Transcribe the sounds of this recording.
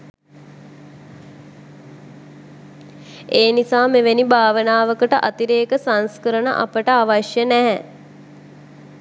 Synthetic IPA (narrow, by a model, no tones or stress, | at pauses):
eːnisaːmeʋenibʱaːʋənaːʋəkəʈəʔat̪iɾeːkəsanskəɾənə̰ʔa̰pəʈəaʋaʃjənæɦɛ